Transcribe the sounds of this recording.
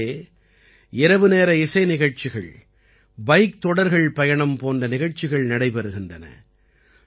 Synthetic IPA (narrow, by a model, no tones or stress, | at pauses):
eː | ɪɾɐʋɯneːɾɐɪsɐɪnɪɣɐɻt͡ʃɪɣɐ̰ɭ | bɐɪk̚t̪ɔɽɐɾɣɐɭpɐjɐɳɐmpoːndrɐnɪɣɐɻt͡ʃːɪɣɐɭnɐɽɐɪpɐɾɯɣɪndrɐnɐ̰